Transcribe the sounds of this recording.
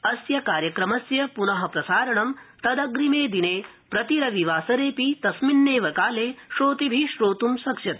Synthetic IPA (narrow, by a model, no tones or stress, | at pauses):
ɐsjɐkaːɾjɐkɾɐmɐsjɐpunɐɦɐpɾɐsaːɾɐɳɐmt̪ɐd̪ɐɡɾimeːd̪ineː | pɾɐt̪iɾɐʋiʋaːsɐɾeːpit̪ɐsminːeːʋɐkaːleːʃoːt̪ibʱiʃɾoːt̪umsɐkʂɐt̪̚